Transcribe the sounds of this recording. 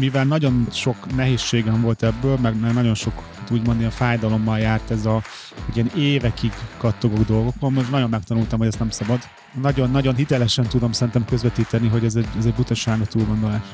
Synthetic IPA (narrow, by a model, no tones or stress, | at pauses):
mivɛlnɒɟo̞nʃo̞knɛɦeːsːeːɡɛɱvo̞lt̪ɛbːøːlmɛɡmɛɡnɒɟo̞nʃo̞k | t̪uːɟmo̞nd̪iɛnfaːjd̪ɒlo̞mːɒljaːrt̪ɛzɒ | hɟijɛneːvɛkiɡːɒt̪ːo̞ɡo̞ɡd̪o̞lɡo̞konmoʃnɒɟo̞mːɛk̚t̪ɒnult̪ɒmɦo̞ɟɛst̪nɛmsɒbɒd̪ | nɒɟo̞nːɒɟo̞nɦit̪ɛlɛʃɛnt̪ud̪o̞msɛɾint̪ɛmkø̞zʋɛt̪iːt̪ɛniɦo̞ɟɛzɛɟɛzɛɟbut̪ɒʃaːɡɒt̪uːlɡo̞nd̪o̞laːʃ